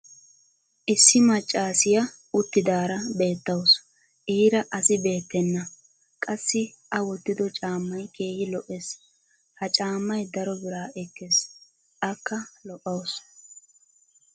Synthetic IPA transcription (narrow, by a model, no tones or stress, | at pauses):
ʔɪsːɪmɐt͡ʃʼːaːsɪjɐ | ʊt̪ːɪd̪aːɾɐbe̞ːt̪ːɐws | ʔiːɾɐʔɐsɪbe̞ːt̪ːɛnːɐ | kʼɐsːɪ | ʔɐwɔt̪ːɪd̪ɔt͡ʃʼaːmːɐjkʰe̞ːhɪlɔʔes | hɐt͡ʃʼaːmːɐjd̪ɐɾɔbɪɾaːɛkːes | ʔɐkːɐlɔʔɐws